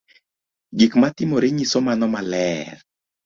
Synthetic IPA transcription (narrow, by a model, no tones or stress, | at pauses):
ɡikmatɪmoɾeɲisomanɔmalɛr